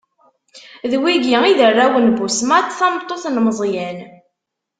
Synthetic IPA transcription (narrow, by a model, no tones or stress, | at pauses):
ðwiɡiiðərːawənbusmæt̪ːθɑmt̪ˤːoθnməzˤjæn